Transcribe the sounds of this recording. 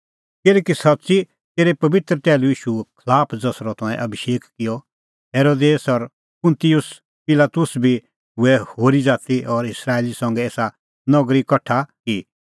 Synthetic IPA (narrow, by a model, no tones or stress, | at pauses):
kɪlɛːkisɐtːsi | t̪eːɾepɐbɪt̪ɾət̪ɛːluiːʃukʰlaːpʰd͡zɐsɾɔt̪ʰãɛ̰̃ʔɐbʱiʃeːkkɪjɔ | ɦeːɾoːd̪eːsɔɾ | pʊ̃nt̪ijʊs | pɪlaːt̪ʊsbʱi | ɦʊɛhoːɾid͡zaːt̪iʔɔɾɪsɾaːeːlisɐ̃ŋɡɛeːsa | nɔɡɾikɐʈʰaki